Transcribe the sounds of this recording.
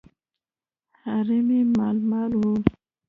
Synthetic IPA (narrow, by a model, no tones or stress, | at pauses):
haɾimimalmalhul